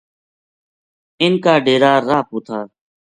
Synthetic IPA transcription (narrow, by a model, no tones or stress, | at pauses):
ɪnkaːɖeːɾaːɾaːpoːt̪ʰaː